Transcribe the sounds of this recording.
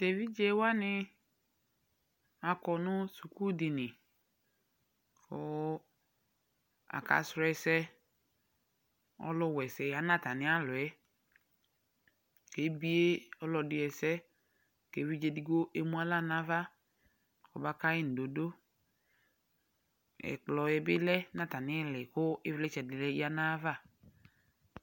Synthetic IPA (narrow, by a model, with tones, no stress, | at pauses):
te˨vi˦d͡ʒe˦wa˦nɪ˦ | a˨kɔ˨nʊ˦su˨ku˦dɪ˨nɪ̃˨ | fɔ˨ | a̰˨ka̰˨sɾɛ˨sɛ˦ | ɔ̰˦lʊ˦wɛ˨sɛ˨ja˨nã˦˨ta˨nɪ̃˦a˦lʊ˨ɛ˦ | ke˨˦bi˦e˦ɔ˦lɔ˨dɪ˨ɛ˨sɛ˦ | ke˨˦vi˦d͡ʒe˦˨di˦ko˦ʔe˦mu˦a˦la˦na˦va˦ | kɔ̰˨ba˦ka˦ɪ˦n̩˨do˨do˦ | ɛ̰˨k͡plɔ˨ɛ˨bɪ˦lɛ˦na˦ta˨nɪ˦ɛ˦lɪ˨kʊ˦ɪ˦vlɛ˦t͡ʃɛ˨dɪ˨lɛ˦ja˦na˦va˦˨